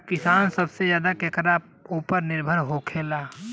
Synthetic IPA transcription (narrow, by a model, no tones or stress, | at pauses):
kɪsaːnsəbsed͡ʒjaːd̪akeːkɾa | uːpəɾnɪɾbʱəɾɦokʰeːlaː